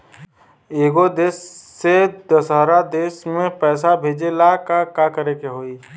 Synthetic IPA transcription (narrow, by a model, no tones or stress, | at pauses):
eːɡod̪eːsːed̪əsɦəɾad̪eːsmẽpɛːsabʱeːd͡ʒelakakakəɾekeɦoːi